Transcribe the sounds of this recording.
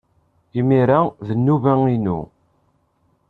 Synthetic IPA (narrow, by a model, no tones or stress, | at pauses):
imiɾaðənːuvæŋinṵ